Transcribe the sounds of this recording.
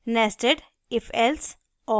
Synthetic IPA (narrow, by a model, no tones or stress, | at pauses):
nesʈeɖ | ɪfʰɛls | ɔ